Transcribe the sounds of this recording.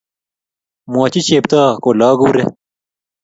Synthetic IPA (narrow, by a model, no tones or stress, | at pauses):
maːt͡ɕit͡ɕeːb̚t̪aːkoːlaːɡuːɾḛ